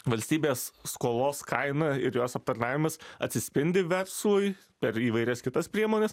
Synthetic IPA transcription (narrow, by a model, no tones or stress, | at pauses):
ʋɐlʲsʲt̪ʲiːbʲeːsskoːlˠoːskɐɪnɐɪɾjoːsɐp̚t̪ɐɾnɑːʋʲɪmɐsɐ̰t̪ʲsʲɪsʲpʲɪnʲd̪ʲɪʋʲɛrslˠʊj | pʲɛɾiːʋɐɪɾʲɛskʲɪt̪ɐspʲɾʲiɛmoːnʲɛs